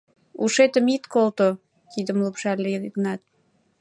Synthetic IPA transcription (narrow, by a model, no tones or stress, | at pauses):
uʃet̪əmit̪kolt̪o | t̪id̪əmlupʃɑlːeɡnɑt̪̚